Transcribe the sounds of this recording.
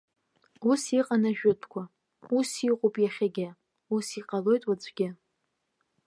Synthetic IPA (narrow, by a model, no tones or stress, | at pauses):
usiqʼanaʒᶣʊtʰkʷʰa | usiqʼopʼjaχʲaɡʲɪ | usiqʼalo̞jtʼwad͡zʷʰʼɡʲɪ